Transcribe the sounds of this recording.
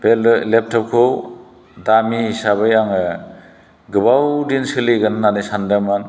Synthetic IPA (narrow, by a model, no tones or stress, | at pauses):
b̥ellep̚tʰɔp̚kʰow | damisaβɯjaŋɯ | ɡɯbawdinsɯliɡɯnːanɯjsandamɯn